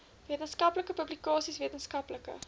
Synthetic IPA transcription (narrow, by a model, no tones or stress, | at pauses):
viətənskɐpləkəpɵblikɑːsisviətənskɐpləkə̰